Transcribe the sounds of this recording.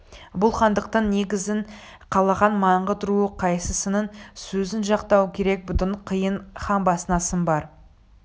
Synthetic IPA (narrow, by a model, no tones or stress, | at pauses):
bʊlˠχɑnd̪əq̚t̪ɑnːe̞ɡʲɪzɪn | qʰɑlˠɑʁɑnmɑɴʁət̪ʰɾuəqʰɑjsəsənəɴsɵzɪnʒɑqt̪ɑwkʲʰe̞ɾe̞k̚bʊt̪əɴqʰəjəɴχɑmbɑsənɑsənbɑɾ